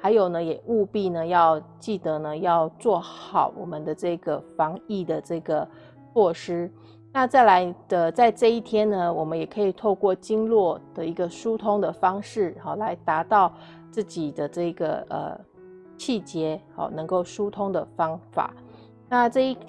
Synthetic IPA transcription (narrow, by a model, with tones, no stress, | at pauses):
xa˧˥ɪjo˨˩ʊnə˦jɛ˨˩ʔu˥˧pi˥˩nə˩jɑ˥˧ʊt͡ɕi˥˩d̪ɤ˧˦nə˧jɑ˥˧ʊt͡swɔ˥˩xxɑ˨˩˦ʊwɔ̰˨˩mə˦nd̪ə˦ʈ͡ʂɤ˥˩i˧˦ɡə˩fɑ˧˥ŋi˥˩d̪ə˩ʈ͡ʂɤ˥˩ɡə˩ | t͡swɔ˥˩ʂɻ̩˥ | na˥˧t͡sa˥˩ɪla˧˥ɪd̪ə˧t͡sa˥˧ɪʈ͡ʂɤ˥˧i˥˩t̪ʰjɛ˥nnə˨wɔ˨˩mə˦njɛ˨˩kʰɤ˧˥i˨˩t̪ʰo˥˧ʊkwɔ˥˩t͡ɕi˥ŋlwɔ˥˩d̪̥ə˨i˧˥ɡə˧ʂu˥t̪ʰʊ˥ŋd̪ə˨fɑ˥ŋʂɻ̩˥˩hɑ˨˩la˧˥ɪt̪a˧˥t̪ɑ˥˧ʊ | t͡sɹ̩˥˩t͡ɕi˨˩d̪ə˦ʈ͡ʂɤ˥˩i˧˥ɡə̰˩ə̰˨˩ | t͡ɕʰi˥˩t͡ɕjɛ˧˥ | ɑ̰˨˩nɤ˧˥ŋko˥˩ʊʂu˥t̪ʰʊ˥ŋd̪ə˨fɑ˥ŋfa̰˨˩˦ | na˥˧ʈ͡ʂɤ˥˧i˥˩